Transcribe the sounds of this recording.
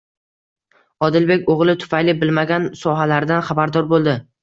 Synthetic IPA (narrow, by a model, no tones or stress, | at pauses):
ɒd̪ɪlbe̞kʲoʁlˠɪt̪ʰʊ̥fajlɪbɪlmaɡʲansɒɦalaɾɪd̪anχabaɾd̪ɒɾbolˠd̪ɪ